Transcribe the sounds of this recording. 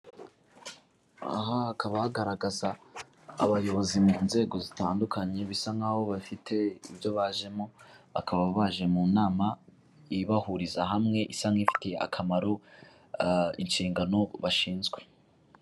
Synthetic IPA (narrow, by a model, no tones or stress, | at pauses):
a̰ɦaːkaβahaɡaɾaɡaza̰ː | βajo̞βo̞zimuːnze̞ːɡo̞zitaːndukaɲe̞βisaŋaβo̞βafitʰe̞ḭbjo̞βaʒe̞moa̰kʰaβaββaʒe̞muːnaːma | iβahuɾizaɦamŋe̞ʔisaŋifi̥tea̰kʰamaɾo | int͡ʃiːŋɡano̞βaʃiːnzɡwe̞̥